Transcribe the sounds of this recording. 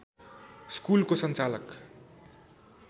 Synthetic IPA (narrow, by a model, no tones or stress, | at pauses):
skulkosʌnt͡salʌk